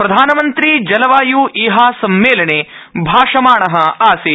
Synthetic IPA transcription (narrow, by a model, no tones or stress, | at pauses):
pɾɐd̪ʱaːnɐmɐnt̪ɾid͡ʒɐlɐʋaːjuːʔiːɦaːsɐmːeːlɐɳeːbʱaːʂɐmaːɳɐɦɐaːsi